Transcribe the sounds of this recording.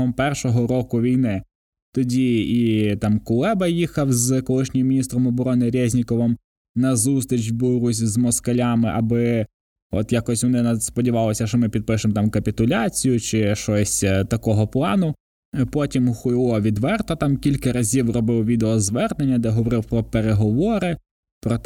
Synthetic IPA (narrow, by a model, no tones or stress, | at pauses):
ɔmpɛrʃɔɦɔɾɔkʊʋʲijnɪ | t̪ɔdʲiit̪ɑmkʊlˠɛbɐjixɐwzkɔlˠɪʃnʲɪjmʲinʲist̪ɾɔmɔbɔɾɔnɪɾʲɛzʲnʲikɔʋɪm | nɐzust̪ɾʲit͡ʃbʊɾʊsʲzmɔskɐlʲɑmɪʔɐbɪ | ɔ̰t̪jakɔsʲʋɔnɪnɐspɔdʲiʋɑlˠɔsʲɐʃɔmɪpʲid̪̚pɪʃɪmt̪ɑmkɐpʲit̪ʊlʲɑt͡sʲijʊt͡ʃɪʃɔsʲt̪ɐkɔɦɔplˠɑnʊ | pɔtʲimxʊjlˠɔʋʲid̪ʋɛrt̪ɐt̪ɑmkʲilʲkɐɾɐzʲiwrɔbɪwʋʲid̪eɔzʋɛrnenʲːɐd̪ɛɦɔʋɔɾɪwpɾɔpeɾeɦɔʋɔɾɪ | pɾɔt̪